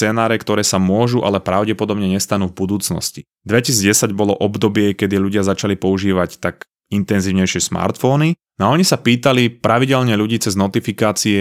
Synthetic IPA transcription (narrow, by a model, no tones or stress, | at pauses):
t͡sɛːnaːɾɛkt̪ɔɾɛːsamʊɔʒuʔa̰lɛpɾaʊɟɛpɔd̪ɔbɲɛɲɛst̪anuːvbud̪uːt͡snɔ̰sci | d̪ʋɛcisid͡zɟɛsaɟbɔlɔʔɔbd̪ɔbɪɛkɛd̪iluɟɪazat͡ʃalipɔuʒiːʋact̪ak | int̪ɛnziːʊɲɛjʃɪɛsma̰ɾt̪fɔni | aɔɲisapiːt̪alipɾaʋiɟɛʎɲɛʎuɟiːt͡sɛznɔt̪ifikaːt͡siɛ